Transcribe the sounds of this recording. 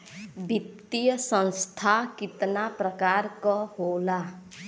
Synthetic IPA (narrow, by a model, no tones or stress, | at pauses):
bʱit̪ijəsə̃nst̪ʰakɪt̪napɾəkaːɾkɔhoːla